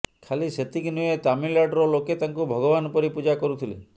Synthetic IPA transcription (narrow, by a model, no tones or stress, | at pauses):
kʰaliset̪ikinujet̪amilaɖɾɔloket̪aŋkubʱɔɡɔbanɔpɔɾipud͡ʒakɔɾut̪ʰilḛ